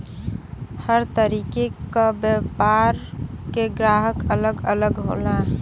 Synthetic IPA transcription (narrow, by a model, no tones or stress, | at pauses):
həɾt̪əɾiːkekabjəpaɾkeɡɾaːɦəkələɡələɡɦo̰ːla